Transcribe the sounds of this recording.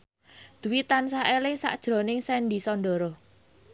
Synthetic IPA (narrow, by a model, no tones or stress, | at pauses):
d̪̥ṳwit̪ansaelɪŋsa̰ʔd̥ʒ̥ɾɔ̤nɪŋsɛnd̪isɔnɖɔɾɔ